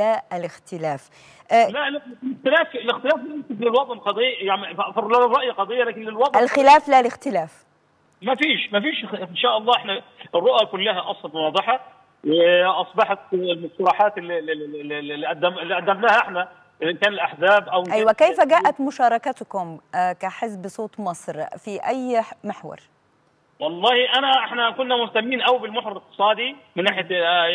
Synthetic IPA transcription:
laːlɪxt̪ɪlæːf | ʔlællext̪ɪlæːflɪxt̪ɪlæːflemsɪklɪlwɑt̪ˤɑnqɑd̪ˤejjaʕniflæmɾɑʔjæqɑd̪ˤejːɑlæːkɪnlɪlwɑt̪ˤælxɪlæːflalɪxt̪ɪlæːf | mæfiːʃmæfiːʃɪnʃæːʔɑlˤːɑːʔeħnæ | ɪrˤːoʔjækʊlːæɦæʔɑsˤɑnwɑːd̪ˤɨħɑ | weʔɑsˤbɑħɑt̪lmʊst̪ɑɾˤɑːħaːt̪lː | iʔæd̪ːæmɪlːiʔæd̪ːæbnaːhaʔɪħna | ɪlʔɪnkæːnɪlʔaħzaːbʔawɪʔæjwækejfæɡaːʔʔæt̪mʊʃɑːɾˤɑkat̪kʊmkaħɪzbsˤoːt̪ˤmɑsˤɾfiʔæjmɪħwɑ̰ɾˤ | wɑlˤːɑːhiʔanæʔɪħnækʊnːamʊht̪amːiːnʔawbɪlmʊħɾɑɾɪk̚t̪ɨ̥sˤɑːd̪imɪnːaːħja

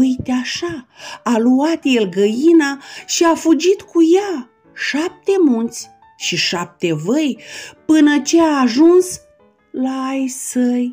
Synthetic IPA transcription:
ujt̪eaʃaaluat̪jelɡəjinaʃiafud͡ʒit̪kuja | ʃap̚t̪e̞munt̪sʲ | ʃiʃap̚t̪e̞vəjpɨnət͡ʃe̞aːʒuns | laːjsəj

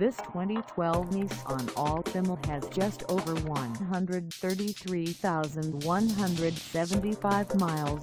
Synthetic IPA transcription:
ðɪstʰw̥ɛ̃ñtitʰw̥ɛlˠvnisə̃n̩ɔlˠθɪ̃məɨzd͡ʒʌstʰoʊvə˞wʌ̃nɦʌ̃ndɹɨd̪̚θɜ˞ɾiθɹiθaʊzɨ̃nwʌ̃nɦʌ̃ndɹɨdsɛvɨ̃ntifaɪvmaɪlˠz

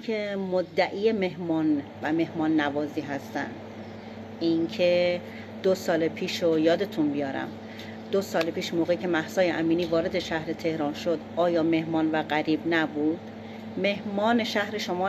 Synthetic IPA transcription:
emod̪ːæʔiːjeme̞ɦmɒːnvæme̞hmɒːnːævɒːziːɦæst̪æ̰nd̪̥ | iŋcʰe | d̪̥osɒːlepʰiːʃojɒːd̪e̞t̪ʰunbijɒːɾæ̰m | d̪̥osɒːlepʰiːʃmoːɣecʰe̞mæhsɒːjeʔæmiːniːvɒːɾe̞d̪e̞ʃæhɾe̞t̪ʰe̞hɾɒːnʃod̪ʔɒːjɒːme̞hmɒːnvæɣæɾiːbnæbuːd̪̥ | me̞ɦmɒːneʃæhɾe̞ʃo̞mɒː

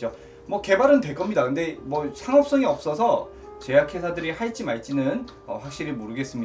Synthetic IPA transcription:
d͡ʑo | mwʌke̞baɾɯntwe̞k͈ʌmɲidakɯnde̞mwʌsʰaŋʌp̚s͈ʌŋiʌp̚s͈ʌsʰʌ | t͡ɕe̞jakʰe̞sʰadɯɾihaɭt͡ɕ͈imaɭt͡ɕ͈inɯn | ʌ̰ɸwak̚ɕ͈iɾimoɾɯɡe̞s͈ɯmɲi

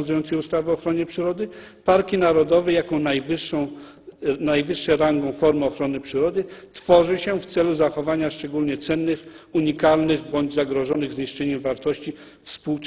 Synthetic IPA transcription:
nzujɔnt̪sɛjust̪avɘɔxɾɔɲɛpʂɘɾɔd̪ɘpaɾkʲinaɾɔd̪ɔvɛjakɔ̃w̃najvɘʂːɔ̃w̃ | najvɘʂːɛɾaŋɡɔ̃fɔɾmɔxɾɔnɘpʂɘɾɔd̪ɘt̪fɔʐɘɕɛft̪sɛluzaxɔvaɲaʂt͡ʂɛɡulɲɛt̪sɛnːɘxuɲikalnɘɣbɔɲd͡ʑzaɡɾɔʐɔnɘɣzɲiʂt͡ʂɛɲɛmvaɾt̪ɔɕt͡ɕi | fspuw

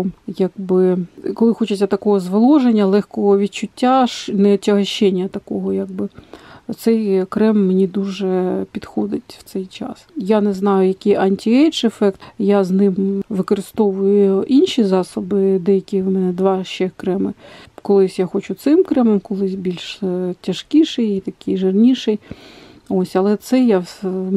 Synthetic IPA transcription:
jaɡbɪkɔlˠɪxɔt͡ʃɐt͡sʲɐt̪ɐkɔɦɔzʋɐlˠɔʒenʲːɐlˠɛxkɔɦɔʋʲid̪t͡ʃʊtʲːaʃnɛɔtʲɐɦɐʃɛnʲːɐt̪ɐkɔɦɔjaɡ̚bɪt̪sɛjkɾɛmːenʲid̪uʒɛpʲid̪xɔd̪ɪtʲwt̪sɛjt͡ʃɑ̰sjanɛznɑjʊjɐkijʔɐnʲtʲiɛjt͡ʃefɛkt̪jaznɪmʋɪkɔɾɪst̪ɔʋʊjʊʊʔinʲʃʲizɑsɔbɪd̪ɛjɐkʲiʋmɛnɛd̪ʋɑʃt͡ʃɛkɾɛmɪkɔlˠɪsʲjaxot͡ʃʊt̪sɪmkɾɛmɛmkɔlˠɪsʲbʲilʲʃtʲɐʃkʲiʃɛjit̪ɐkɪjʒɪrnʲiʃɪj | osʲɐlˠɛt̪sɛja

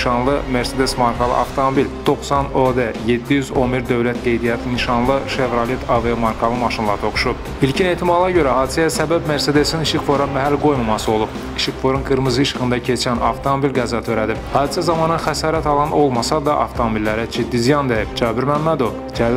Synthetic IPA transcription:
ʃɑnlˠɯme̞ɾsed̪e̞smɑɾkʰɑlˠɯ̰ʔɑft̪ʰo̞mobild̪̥o̞χsɑnod̪eje̞d̪ːijyzo̞nbiɾd̪ø̞vlæt̪ɡe̞jd̪ijɑt̪ʰiniʃɑnlˠɯʃe̞vɾɑlit̪ʰɑvemɑɾkʰɑlˠɯmɑʃɯnlˠɑɾt̪ʰo̞χu̥ʃup | ilcʰine̞ːt̪ʰimɑlˠɑɟø̞ɾæhɑːd̪isæjæsæbæbme̞ɾsed̪e̞siniʃikfo̞ɾɑmæɦælɡo̞jmɑmɑsɯo̞lˠub̚ | iʃikfo̞ɾunɡɯɾmɯzɯiʃxɯnd̪ɑcʰe̞t͡ʃʰænɑ̰ft̪ʰomo̞bilɡæzɑt̪ʰøɾæd̪ibhɑːd̪isæzɑmɑnɯxæsɑːɾæt̪ʰɑlˠɑno̞lˠmɑsɑd̪ɑʔɑ̰ft̪ʰomobilːæɾæd͡ʒid̪ːizijɑnd̪ejibd͡ʒɑːbiɾmæmːæd̪o̞vd͡ʒæl

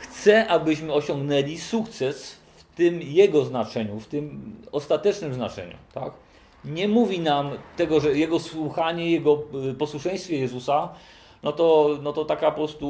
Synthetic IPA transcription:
xt̪sɛʔabɘɕmɘɔɕɔ̃ŋɡnɛlʲisukt̪sɛs | ft̪ɘmjɛɡɔznat͡ʂɛɲuft̪ɘmɔst̪at̪ɛt͡ʂnɘmznat͡ʂɛ̰ɲṵt̪a̰k | ɲɛmuvʲinamt̪ɛɡɔʐɛjɛɡɔswuxaɲɛjɛɡɔpɔswuʂɛ̃j̃st̪fʲjɛjɛzusa | nɔt̪ɔnɔt̪ɔt̪akapɔpɾɔst̪u

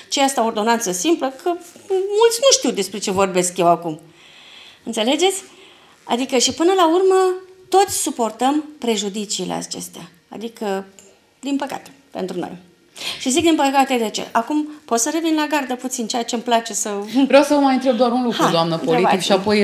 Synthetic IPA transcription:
t͡ʃeast̪ao̞rd̪o̞nant̪səsimpləkʰəmult̪sʲnuʃt̪iwd̪e̞spɾe̞t͡ʃe̞vo̞rbe̞skje̞wakum | ɨnt̪se̞le̞d͡ʒe̞t̪sʲ | a̰d̪ikəʃipɨnəlaurmət̪o̞t̪sʲsupo̞rt̪əmpɾe̞ʒud̪it͡ʃiːlḛa̰t͡ʃe̞̰st̪ea | a̰d̪ikə | d̪inpəka̰t̪e̥ | pe̞̰nt̪ɾuno̞̰j | ʃizik̚d̪inpəkat̪e̞d̪e̞t͡ʃe̞̰ʔakumpo̞t̪səɾe̞vinlaɡard̪əput̪sint͡ʃejat͡ʃe̞mplat͡ʃe̞səvɾeawsəmajɨnt̪ɾeb̚d̪oaɾunlukaud̪oamnəpolɾeiaikʃiapo̞j

